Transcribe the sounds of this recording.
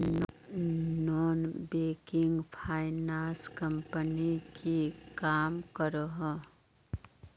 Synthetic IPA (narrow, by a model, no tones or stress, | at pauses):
nɔːnbeːkɪŋɡpʰaːɪnãːskə̃mpənikʰikaːmkəɾəɦɔ̃